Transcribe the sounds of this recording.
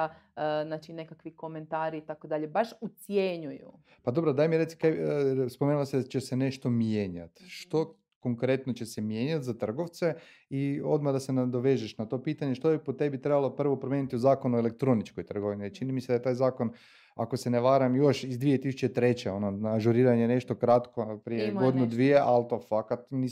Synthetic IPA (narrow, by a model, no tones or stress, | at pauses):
znat͡ʃinekakʋiko̞ment̪aːɾit̪akod̪aʎebaʃut̪sjeɲujṵ | pad̪o̞bɾod̪aːjmiɾetsi̥kespomeːnulosed̪t͡ɕesene̞ʃt̪o̞mjeːɲa̰t̪ʃt̪o̞ | ko̞ŋkɾe̞t̪not͡ɕesemjeːɲat̪zat̪r̩ɡo̞ʋt̪se̞ | io̞̰d̪mad̪ase̞nad̪o̞ʋe̞ʒeʃnat̪o̞piːt̪aɲe̞ʃt̪ojepot̪e̞bit̪ɾebalˠo̞pr̩ʋo̞pɾomjenit̪iuzaːkonuele̞k̚t̪ɾo̞nit͡ʃko̞jt̪r̩ɡoʋinit͡ʃinimised̪ajet̪aːjzaːko̞n | a̰ko̞seneʋaɾamjo̞ʃizd̪ʋije̞t̪isut͡ɕet̪ɾe̞t͡ɕeo̞nonaʒuɾiːɾaɲene̞ʃt̪o̞kɾat̪kopɾijeɡo̞d̪inud̪ʋijeʔalt̪ofakat̪ni